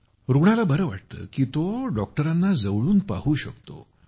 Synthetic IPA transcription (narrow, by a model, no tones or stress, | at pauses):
ɾuɳ̃alabəɾəʋaʈ̚t̪ə̰ːkiːt̪oɖɔk̚ʈəɾanːad͡zəʋɭuːnpaɦuːɕəkt̪o̰